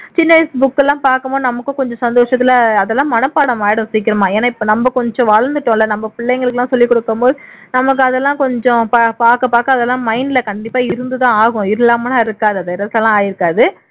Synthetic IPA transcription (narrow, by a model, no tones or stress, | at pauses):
t͡ʃɪnːɐɐɪsbʊkːɛlːãːpaːɾkɐmboːnɐmɐkːʊ̃kɔɲd͡ʒɔ̃sɐnd̪oːʂɐt̪ːɪlɐɐðɛlːãːmɐnɐpːaːɽɐmaːjɪɽɯ̃siːkːɪɾɐmãːeːnaːɪpːoːnɐmbɐkɔɲd͡ʒɔ̃ʋaːɻɐnd̪ɯʈːõlːɐnɐmːɐpɪɭːɛɪŋɡɐɭɯkːɯlːãːsɔlːikːɔɽɯkːɐmboːðɯ | nɐmɐk̬ːɯɐðɛlːãːkɔɲd͡ʒɔ̃papaːɾkɐpaːɾkɐ̃ɐðɛlːãːmɐɪnɪlɐkɐɳɖɪpːaːɪɾɯnd̪ɯt̪ãːaːɣʊ̃ɪɾlːaːmɐnaːɪɾɯkːaːðɯɐðɐɪɾɐslɛlːãːaːjɪɾɯkːaːðɯ